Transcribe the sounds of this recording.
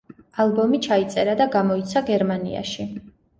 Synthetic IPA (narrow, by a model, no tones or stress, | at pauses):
alˠbɔmit͡ʃʰait̪sʼɛɾad̪aɡamɔit̪sʰaɡɛɾmanḭa̰ʃi